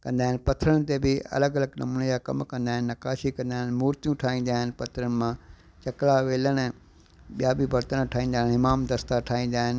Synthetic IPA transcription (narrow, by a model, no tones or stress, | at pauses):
kɐ̃nd̪aːɦɪnɪ̆pɐt̪ʰəɾəɽ̃ɪ̆t̪ebɪɐ̰ləɡɐləɡnɐmuːnəd͡ʑakɐmkɐ̃nd̪aːɦɪnɪːɐkaːʃikɐ̃nd̪aːɦɪnmuːɾt̪ijũʈʰaːĩːnd̪aːɦɪnpɐt̪ʰɾənɪ̆mã | t͡ɕɐklaʋeːləɽ̃ | ɓijabɪbɐɾt̪ənʈʰaːĩːnd̪aːɦɪnɦɪmaːmd̪ɐst̪aʈʰaːɦĩːn̆d̪aːɦɪn